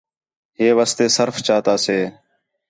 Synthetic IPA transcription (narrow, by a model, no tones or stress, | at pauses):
ɦeːʋaːst̪eːsəɾft͡ʃaːt̪aːseː